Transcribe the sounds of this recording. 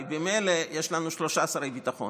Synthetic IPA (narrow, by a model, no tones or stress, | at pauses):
bemejlejeʃlanuʃlo̞ʃaːsaʁejbit̪aχo̞̰n